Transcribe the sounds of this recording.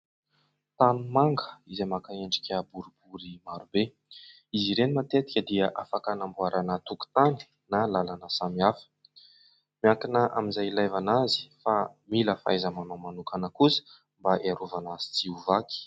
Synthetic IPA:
t̪anumaŋɡə̥izemakaeɳɖ͡ʐikʲəbuɾibuɾimaɾube | iziɾenimat̪et̪i̥kʲəd̪iəʔafakanambuaɾanat̪uku̥t̪ani̥ | nalalanəsamiafə̥ | miakinəʔa̰mizajlajvanazi̥familəfa̰jzəmanamanukanəkusə̥ | mbaʔeaɾuvanaz̥i̥t͡siuvaki̥

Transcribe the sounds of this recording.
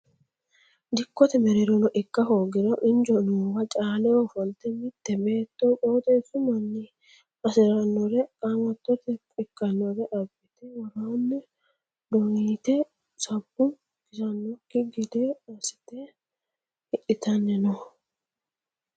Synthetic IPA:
d̪ɪkːɔt̪ɛmɛɾɪɾɔnɔʔɪkːɐhoːɡɪɾɔʔɪnd͡ʒɔnʊwɐt͡ʃʼaːlɛwɔfɔnt̪ɛmɪt̪ːɛbe̞ːt̪ːɔkʼoːt̪ʼɛːsʊmɐnːɪ | ɐsɪɾɐnːɔɾɛkʼɐŋɔt̪ːɔt̪ɛ | ɪkːɐnːɔɾɛʔɐbːɪt̪ɛwɔɾaːnːɛ | d̪ɔŋiːt̪ɛ | sɐbːʊ | ɡ̥ɪsɐnːɔkːɪɡɪd̪ɛɐsɪ̥t̪ɛ | ɪʔɪt̪ɐnːɛnɔ

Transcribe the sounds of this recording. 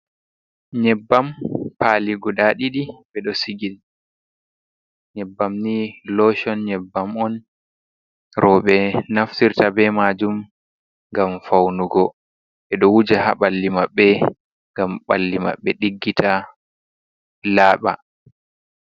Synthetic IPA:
ɲɛbːampaliɡɔɗaɗiɗiɓɛɗɔsiɡin | ɲɛbːamnilɔʃɔnɲɛbːamɔn | ɾɔɓɛnaftiɾtabɛmad͡ʒum | ŋɡamfawnuɡɔ | ʔɛɗɔwud͡ʒaha̰ɓalːimaɓːɛ | ŋɡamɓalːima̰ɓːɛɗiɡːitʰa | laːɓa

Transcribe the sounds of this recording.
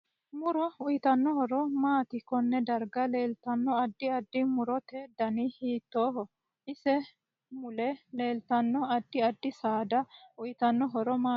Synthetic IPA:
mʊɾɔʊjɪt̪ɐnːɔhɔɾɔmaːt̪ɪkɔnːɛd̪ɐɾɡɐle̞ːlt̪ɐnːɔɐd̪ːɪɐd̪ːɪmʊɾɔt̪eːd̪ɐnɪhiːt̪ːoːɦɔ | ʔɪsɛ | mʊlɛle̞ːlt̪ɐnːɔɐd̪ːɪɐd̪ːɪsaːd̪ɐʊjɪt̪ɐnːɔɦɔɾɔmaː

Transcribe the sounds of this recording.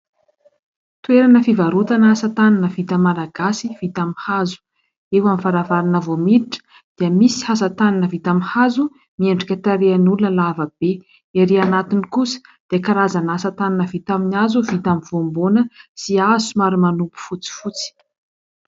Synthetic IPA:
t̪ueɾanəfivaɾut̪anasat̪aninəvit̪əmalaɡasiv̥it̪amihazu̥ | ewamifaɾavaɾinəvomiɾiʈ͡ʂə̥ | d̪̥iəmisi̥hasat̪aninəvit̪amihazu | mieɳɖ͡ʐikʲət̪aɾeanulunəlavəb̥e | eɾianat̪inikusə̥d̪̥ekaɾazanasat̪aninəvit̪aminazuvit̪amiv̥ombonəsiazumaɾimanupu̥fut͡si̥fut͡si̥

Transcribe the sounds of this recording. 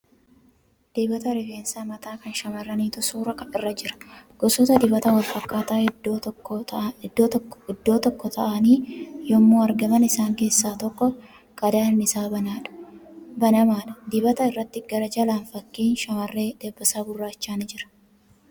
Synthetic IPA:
d̪̥eːbɐt̪ɐɾɛɡeːnsaːmɐt̪aːkɐnʃɐmɐrːɐniːt̪ʊsuːɾɐkɐɪrːɐd͡ʒɪɾɐ̥ɡ̥ɔsɔt̪ɐd̪ɪbɐt̪ɐwɐlfɐkːaːt̪aː | ɪd̪ːoɪd̪ːo̞ːt̪ɔkːɔt̪ʰɐʔɐniːjɔmːoːɐɾɡɐmɐnɪsaːŋke̞ːsːaːt̪ɔkːɔ | kʼɐd̪aːnnɪsaːbɐnaːᶑ̥bɐnɐmaːᶑɐd̪ɪbɐt̪ɐɪrːɐt̪ːɪɡɐɾɐd͡ʒɐlaːnfɐkːiːnʃɐmɐrːeːd̪̥eːbːɐsaːbʊrːaːt͡ʃːaːnɪd͡ʒɪɾɐ̥

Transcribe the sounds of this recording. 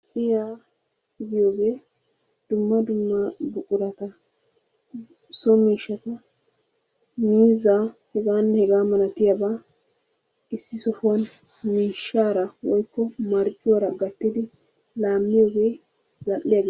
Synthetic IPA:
ʔɪjaː | ɪɡɪjoːɡe̞ː | d̪̥ʊmːɐd̪ʊmːɐbʊkʼʊɾɐt̪ɐ | sɔmiːʃːɐt̪ɐ | miːzahɛɡaːnːɛhɛɡaːmɐlɐt̪ɪjabaː | ɪsːɪsɔfn | miːʃːaːɾɐwɔjkːɔmɐɾkʼːɪjoːɾɐɡɐt̪ːɪd̪ɪ | laːmːɪjo̞ːɡe̞ː | zɐlːɪjɐɡ

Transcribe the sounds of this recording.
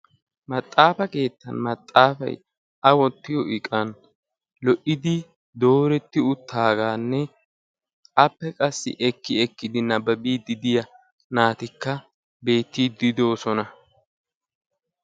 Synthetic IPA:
mɐt̪ʼːaːfɐke̞ːt̪ːɐ̰nmɐt̪ʼːaːfɐ̰j | ʔɐwɔt̪ːɪjɔʔɪkʼɐn | lɔʔɪd̪ɪ | d̪o̞ːɾɛt̪ːɪʊt̪ːaːɡaːnːɛ | ʔɐpːɛkʼɐsːɪ̰ʔɛkːɪɛkːɪd̪ɪnɐbɐbiːd̪ɪd̪ɪjɐ | naːt̪ɪkːɐ | be̞ːt̪ːiːd̪ɪd̪o̞ːsɔnɐ

